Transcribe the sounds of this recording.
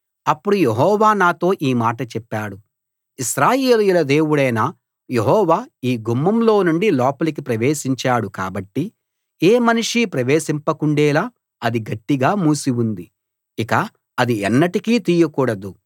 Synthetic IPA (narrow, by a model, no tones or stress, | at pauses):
ɐpːuɽujeɦɔːʋaːnaːt̪o̞ːʔiːmaːʈɐt͡ʃɛpːaːɽu | iʃɾaːje̞ːlujulɐd̪e̞ːwuɽɐjnɐ | jeɦɔːʋaːiːɡumːɐmlo̞ːnuɳɖilɔːpɐlikipɾɐʋeːʃiɲt͡ʃaːɽuka̰ːbɐʈːi | eːmɐnuʂipɾɐʋeːʃimpɐkuɳɖɛːlaː | ɐd̪iɡɐʈːiɡaːmuːsiwund̪i | ikɐ | ɐd̪iɛnːɐʈikiːt̪iːjɐkuːɽɐd̪u